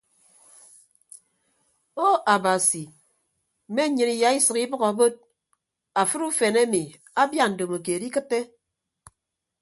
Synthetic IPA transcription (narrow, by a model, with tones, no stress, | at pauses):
o˦a˨ba˨si˨ | me˦ɲɨ˨ni˨ja˨i˦sɨ˨ki˦bɨ˦ɣa˨bo˦t̚ | a˨fɨ˦ɾu˦fe˨ne˦mi˨ | a˦bja˦˨n̩˨do˨mo˨k̬e˨di˦kɨ˦tːe˦